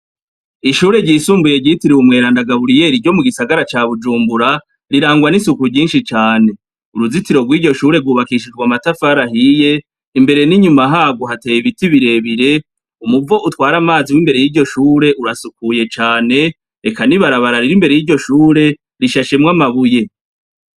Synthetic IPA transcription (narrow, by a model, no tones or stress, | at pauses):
iʃuːɾe̞ɟiːsuːmbuje̞ɾɟitiɾiwumŋe̞ːɾaːndaɡaβuɾije̞ɾiɟo̞muɡisaɡaɾat͡ʃaːβud͡ʒuːmbuɾa | ɾiɾaːŋɡwanisukuɟiːnʃit͡ʃaːne̞ | uɾuzitiɾo̞ɡwiːɟo̞ʃuːɾe̞ɾɡwuβakiʃ̬id͡ʒɡwamatafaɾahije̞ | imbe̞ɾe̞niɲumaɦaːɡo̞ɦatejiβitiβiɾe̞βiɾe̞ | umuvo̞ʔutwaːɾamaːziwiːmbe̞ɾe̞jiːɾɟo̞ʃuːɾe̞ʔuɾasukuje̞t͡ʃaːne̞ | ɾe̞kʰaniβaɾaβaɾaɾiɾimbe̞ɾe̞jiːɾɟo̞ʃuːɾe̞ | ɾiʃaʃe̞mŋamaβuje̞